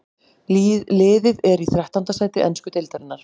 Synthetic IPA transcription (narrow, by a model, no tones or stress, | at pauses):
lɪːðɪðɛɾiθɾɛht̪ant̪asaːjt̪ɪʔɛnskʏt̪ɪlt̪aɾɪnːaɾ̥